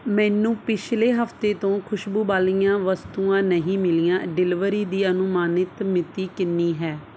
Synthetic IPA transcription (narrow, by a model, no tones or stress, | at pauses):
mɛ̃ːnũːpɪʃleːɦəft̪eːt̪õːkʰʊʃbuːbaːlijãːʋəst̪uːãːnəɦĩːmɪlijãːɖɪlɪʋəɾiːd̪iːənʊmaːnɪt̪mɪt̪iːkɪnːiːɦɛː